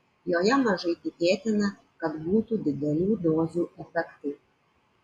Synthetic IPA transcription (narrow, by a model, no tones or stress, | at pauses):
joːjɛmɐʒɐɪt̪ʲɪkʲeːt̪ʲɪnɐ | kɐt̪buːt̪ud̪ʲɪd̪ʲɛlʲuːd̪oːzuːɛfʲɛkt̪ʊ